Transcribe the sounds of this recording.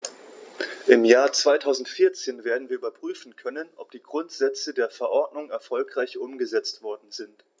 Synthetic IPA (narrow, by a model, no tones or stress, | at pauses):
ʔɪmjaːɐt͡sv̥aɪtʰaʊzn̩tfɪɐt͡seːnveːɐdn̩viːɐʔyːbɐpʁ̥yːfn̩kʰœnənʔɔp̚d̥iːɡʁʊntz̥ɛt͡sədeːɐfɛɐʔɔɐtnʊŋɛɐfɔlkʁ̥aɪçʔʊmɡəzɛt͡stv̥ɔɐdn̩zɪnt